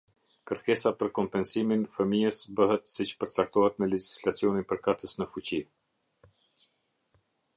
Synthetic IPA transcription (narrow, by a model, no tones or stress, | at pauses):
kəɾkɛsapəɾkɔmpɛnsiminfəmiəsbəɦɛt̪sit͡ʃpəɾt͡sak̚t̪ɔhɛt̪mɛlɛd͡ʒi̥slat͡siɔninpəɾkat̪əsnəfut͡ɕi